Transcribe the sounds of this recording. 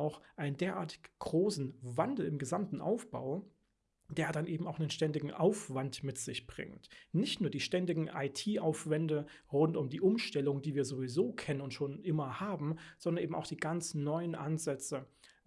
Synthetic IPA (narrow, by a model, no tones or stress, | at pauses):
aʊxʔaɪnəndeːɐʔa̰ːɐtɪ̥çɡ̥ʁoːsn̩vandl̩ɪmɡəzamtn̩ʔa̰ʊfb̥a̰ʊ | d̥eːɐdanʔeːbm̩aʊxnənʃtɛndɪɡŋ̩ʔaʊfv̥antmɪtz̥ɪçb̥ʁɪ̰ŋtnɪçtnuːɐdiːʃtɛndɪɡŋ̩ʔa̰ɪtʰiːʔaʊfv̥ɛndə | ʁʊntʊmdiːʔʊmʃtɛlʊŋədiːviːɐzovizoːkʰɛnənʊntʃoːnʔɪmɐhaːbm̩z̥ɔndɐnʔeːbm̩a̰ʊxd̥iːɡant͡snɔʏənʔa̰nzɛt͡sə